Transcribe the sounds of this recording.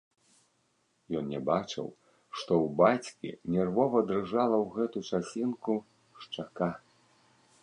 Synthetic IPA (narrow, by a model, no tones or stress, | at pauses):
jɔnnʲɛbat͡ʂɨ̰w | ʂt̪ɔwbat͡sʲkʲḭnʲɛrvɔvɐd̪rɨʐalˠɐwɣɛt̪ut͡ʂasʲinku | ʂt͡ʂaka